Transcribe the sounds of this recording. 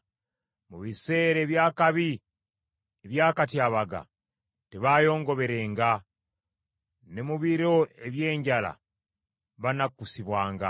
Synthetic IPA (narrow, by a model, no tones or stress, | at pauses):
muβise̞ːɾe̞ːβjaːkaβi | eβjaːkatjaːβaɡa̰ | teβajo̞ːŋɡo̞βe̞ɾe̞ːŋɡa | ne̞muβiɾo̞e̞βje̞ːɲɟala̰ | βanakːusiβwaːŋɡa̰